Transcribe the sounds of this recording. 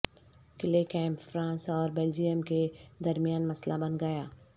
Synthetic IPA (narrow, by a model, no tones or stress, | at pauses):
kɪlekɛ̃ːmpfɾãːnsɔːɾbeːld͡ʒijəmked̪ɐɾmijaːnmɐslabɐnɡɐjaː